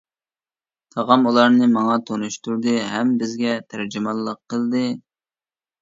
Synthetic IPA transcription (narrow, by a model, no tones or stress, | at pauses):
t̪ʰɑʁɑmulˠɑɾnɨmɑŋɑt̪ʰonuʃt̪uɾd̪ɨɦɛmbɪzɡʲɛt̪ʰæɾd͡ʒimɑlˠːəqʰːəlˠd̪ɨ